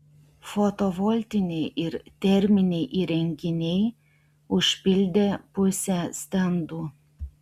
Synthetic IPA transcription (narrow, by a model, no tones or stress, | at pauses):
fot̪oʋɔlʲt̪ʲɪnʲɛɪʔɪɾt̪ʲɛɾʲmʲɪnʲɛɪʔiːɾʲɛŋʲkʲɪnʲɛɪ | ʊʃʲpʲɪlʲd̪ʲeːpʊsʲɛsʲt̪ʲɛnd̪uː